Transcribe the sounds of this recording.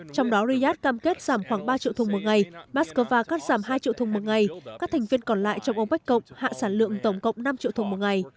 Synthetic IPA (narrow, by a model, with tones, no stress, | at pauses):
t͡ɕɔ˧wŋ͡mɗɔ˨˦ɾi˧zaː˦˥t̚kaː˧mke˦˥t̚z̥aː˧˩mxwaː˧˩ŋɓaː˧t͡ɕḭ˧˨t̪ʰm˨˩t̚ŋa˨˩jmaː˦˥skəː˧vaː˧kaː˦˥t̚z̥aː˧˩mɦaː˧jt͡ɕḭ˧˨wt̪u˨˩ŋmu˨˩t̚ŋa˨˩jkaː˦˥k̚t̪ʰɛ˨˩jŋ̟vi˧ənkɔ˨˩nla̰ː˧˨jt͡ɕɔ˧wŋ͡mʔə˧wŋ͡mɓa˦˥k̚kːə̰˧˨wŋ͡mha̰ː˧˨saː˧˩nlɨ̰˧˨əŋt̪ə˧˩wŋ͡mkə̰˧˨wŋ͡mna˧mt͡ɕḭ˧˨t̪u˨˩mu˨˩t̚ŋa˨˩j